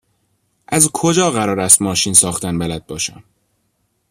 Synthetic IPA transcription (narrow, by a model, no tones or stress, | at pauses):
ʔæzkʰod͡ʒɒːɣæɾɒːɾæst̪mɒːʃiːnsɒːxt̪ænbælæd̪̚bɒːʃæ̰m